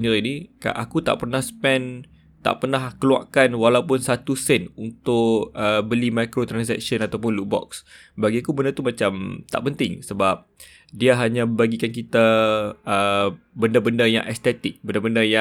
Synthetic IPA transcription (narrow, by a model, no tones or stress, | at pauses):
niɾinika̰ʔakut̪a̰ʔpərnahsəpɛn | t̪a̰ʔpərnahkəluaʔkanwalawpʊnsat̪usɛnunt̪ʊʔəbəlimajkɾot̪ɾans̬a̰k̚ʃənat̪awp̬ʊnluk̚bɔ̰ksbaɡiakubəndərt̪umat͡ʃamt̪a̰ʔpənt̪ɪŋsəbap̚ | diaɦaɲãəbaɡikankit̪aəbəndəbəndəja̰ŋʔɛst̪ɛt̪ɪk̚bəndəbəndəja